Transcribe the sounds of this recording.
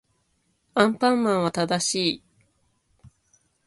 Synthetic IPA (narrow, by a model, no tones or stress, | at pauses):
ãmpãmːãɰ̃β̞at̪ad̪aɕiː